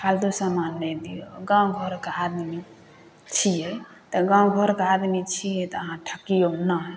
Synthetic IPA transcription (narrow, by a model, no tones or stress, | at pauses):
kʰald̪usamanːɛd̪ijoɡãɡʱɔɾkead̪mi | t͡ʃʰijɛ | t̪ɔɡãɡʱɔɾkead̪mit͡ʃʰijɛt̪ɔəɦãʈʰəkijonaɦ